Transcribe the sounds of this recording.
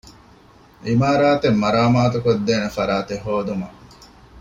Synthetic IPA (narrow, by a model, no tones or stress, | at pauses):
ʔimaːɾaːt̪emːɐɾaːmaːt̪ukod̪ːeːnefɐɾaːt̪eɦoːd̪umɐ